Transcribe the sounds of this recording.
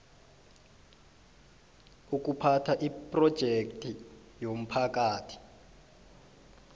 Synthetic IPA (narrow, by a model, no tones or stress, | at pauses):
uk̬upʰatʰaʔipʼrɔd̥ʒ̥ʱektʼi | jom̩pʰak̬ʼaːtʰi̥